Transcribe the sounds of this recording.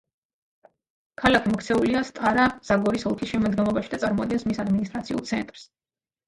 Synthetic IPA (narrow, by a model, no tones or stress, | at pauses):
kʰalakʰimɔkʰt̪sʰɛuliast̪ʼaɾaz̥aɡɔɾisɔlˠkʰisʃɛmɔd̪ɡɛmlˠɔbaʃid̪at̪sʼaɾmɔad̪̚ɡɛnsmisad̪minis̬t̪ʼɾat̪sʰiṵlˠt̪sʰɛ̰nt̪ʼɾs